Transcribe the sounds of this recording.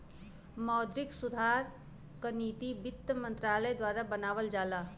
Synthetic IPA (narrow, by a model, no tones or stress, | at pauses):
mɔːd̪ɾɪksʊd̪ʱaːɾ | kəniːt̪ibɪt̪ːəmə̃nt̪ɾaːləd̪waːɾabənaːʋəld͡ʒaːlaː